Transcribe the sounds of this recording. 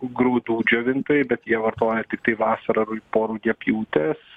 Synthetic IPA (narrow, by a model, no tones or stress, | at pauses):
ɡɾuːd̪uːd͡ʒʲoːʋʲɪnt̪oːjɛbʲɛt̪jiɛʋɐrt̪oːjɛt̪ʲɪkt̪ɐɪʋɑːsɐɾɐɾpoːɾuːɡʲɛpʲjuːt̪ʲɛs